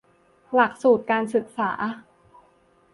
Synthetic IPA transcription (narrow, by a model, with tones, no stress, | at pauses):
la˨˩k̚suː˨˩t̪̚kaː˧nsɯ˨˩k̚sa̰ː˩˦